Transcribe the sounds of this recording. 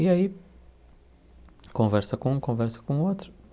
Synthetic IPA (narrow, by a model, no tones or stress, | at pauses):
iɐi | kõvɛɾsɐkõũkõvɛɾsɐ̥kõot̪ɾu̥